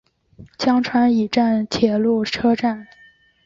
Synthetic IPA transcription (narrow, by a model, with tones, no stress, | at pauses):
t͡ɕjɑ˥ŋʈ͡ʂʰwa˧˥ni˨˩ʈ͡ʂa˥˩nt͡ɕʰjɛ˧˥lu˥˩ʈ͡ʂʰɤ˥ʈ͡ʂa˥˩n